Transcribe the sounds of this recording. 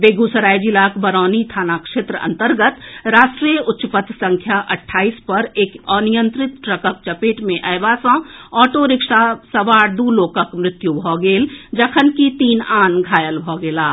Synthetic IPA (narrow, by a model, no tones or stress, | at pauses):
beːɡusəɾaːjd͡ʒilaːkbəɾɔːnit̪ʰaːnakʃeːt̪ɾəə̰̃nt̪əɾɡət̪ɾaːsʈɾiːjəʔʊtːʃəpət̪sə̃ŋkʰjaʔɐʈʰːaːiːspɐɾeːkɔːnijə̃nt̪ɾɪt̪ɾəkək̚t͡ʃɐpeːʈmẽʔɐːʋaːsãːɔːʈoɾɪkʂasɐʋaːɾd̪uːloːkəkmɾɪt̪jubʱɔːɡeːld͡ʒəkʰənkit̪iːnaːnɡʱaːjəlbʱɔːɡeːlaː